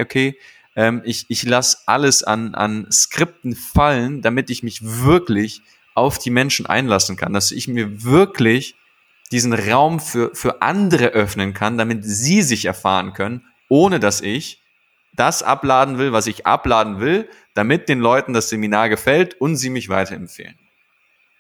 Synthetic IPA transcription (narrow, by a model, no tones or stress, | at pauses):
ʔokʰeː | ʔɛːmɪçɪçlasʔa̰ləsa̰nʔa̰nskʁ̥ɪp̚tn̩faləndamɪtɪçmɪçvɪɐklɪç | ʔaʊfd̥iːmɛnʃn̩ʔa̰ɪnlasn̩kʰa̰nd̥asɪ̰çmiːɐvɪɐklɪç | d̥iːzn̩ʁaʊmfyːɐfyːɐʔa̰ndəʁəʔœfnənkʰandamɪtz̥iːzɪçɛɐfa̰ːʁənkʰœnən | ʔoːnədasɪç | d̥asʔa̰plaːdn̩vɪlvasɪçʔa̰plaːdn̩vɪl | d̥amɪt̚d̥eːnlɔʏtn̩dasz̥eminaːɐɡəfɛltʊntz̥iːmɪçv̥aɪtɐɛmfḛːlən